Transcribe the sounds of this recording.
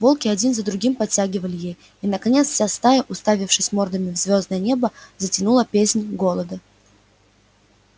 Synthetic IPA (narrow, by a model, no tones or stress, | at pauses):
vo̞lˠkʲɪɐdʲinzəd̪ɾʊɡʲimpɐtʲːæɡʲɪvəlʲɪjej | inəkɐnʲet̪sfʲsʲast̪ajəʔʊst̪avʲɪfʂɨsʲmo̞rd̪əmʲɪvzvʲo̞znəjənʲe̞bəzətʲɪnulˠəpʲesʲnʲɡo̞lˠəd̪ə